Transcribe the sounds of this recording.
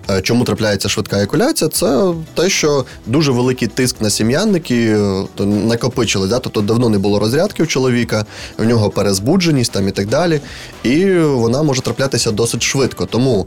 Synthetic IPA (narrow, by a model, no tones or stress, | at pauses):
t͡ʃɔmut̪ɾɐplʲajet͡sʲːɐʃʋɪt̪kɑekʊlʲat͡sʲijɐt̪sɛt̪ɛʃt͡ʃɔ | d̪uʒɛʋelˠɪkɪjt̪ɪsknɐsʲimjanːɪkʲi | nɐkɔpɪt͡ʃɪlˠɪsʲd̪at̪ɔbpt̪ɔd̪ɐwnɔnɛbʊlˠɔɾɔzʲɾʲad̪kɪwt͡ʃɔlˠɔʋʲikɐwnʲɔɦɔpeɾezbud͡ʒenʲisʲtʲt̪ɑmit̪ɐɡ̚d̪ɑlʲi | iʋɔnɑmɔʒɛt̪ɾɐplʲat̪ɪsʲɐd̪ɔsɪtʲʃʋɪt̪kɔt̪ɔmu